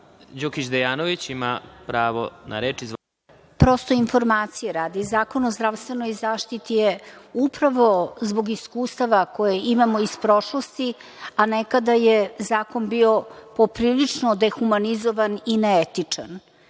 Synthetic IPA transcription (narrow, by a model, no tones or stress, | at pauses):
d͡ʑokit͡ʃd̪ejaːnoʋit͡ɕimapɾaːʋo̰na̰ɾeːt͡ʃiz | pɾo̞st̪o̞info̞ɾmaːt̪sijeɾaːd̪izaːko̞nozd̪ɾaʋst̪ʋe̞no̞jzaːʃt̪it̪ijeupɾaʋo̞zbo̞ɡiskuːst̪aʋako̞jeimamo̞ispɾo̞ʃlost̪i | anekad̪ajezaːko̞nbio̞po̞pɾiːlit͡ʂnod̪exumanizo̞ʋanineet̪it͡ʂan